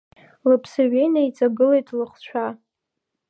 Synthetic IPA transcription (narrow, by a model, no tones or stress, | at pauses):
lɨpʰsaɥejnait͡sʼaɡɨlejtʼlɨχʷt͡ɕʷʰa